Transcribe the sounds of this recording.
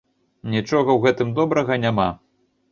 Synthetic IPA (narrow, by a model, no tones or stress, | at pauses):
nʲit͡ʂɔɣɐwɣɛt̪ɨmd̪ɔbɾɐɣɐnʲama